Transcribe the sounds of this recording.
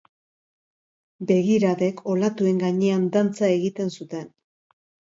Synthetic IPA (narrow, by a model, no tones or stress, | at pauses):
be̞ɣiɾaðe̞ko̞lat̪ue̞ŋɡaɲe̞and̪ant͡sae̞ɣit̪e̞nsut̪e̞n